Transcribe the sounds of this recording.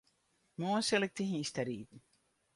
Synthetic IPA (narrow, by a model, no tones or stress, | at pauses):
moːselek̚t̪iɦĩst̪æɾiːt̪n